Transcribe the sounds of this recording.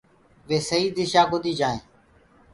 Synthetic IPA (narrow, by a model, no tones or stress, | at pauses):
ʋeːsəɦiːd̪ɪʃaːɡʊd̪ʱiːd͡ʒaːḛ̃ː